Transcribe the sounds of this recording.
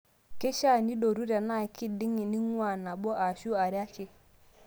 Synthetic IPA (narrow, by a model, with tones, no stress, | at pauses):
ke˦ʃa˦˨ni˦ɗo˨ɾu˦ɾa˨na˦˨i˨ki˦di˦ŋi˨ni˦ŋwa˦˨na˨ɓɔ˦ʔa˨ʃu˦a˨ɾja˦kɪ˦